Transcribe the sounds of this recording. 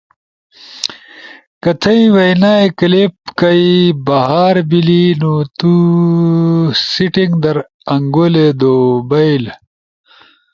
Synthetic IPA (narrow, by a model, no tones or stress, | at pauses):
kɐt̪ʰɐjiwɐjnaːekɐlep̚kɐibɐɦaːɾbilinut̪u | siʈiŋɡd̪ɐɾ | ɐŋɡoled̪obɐjl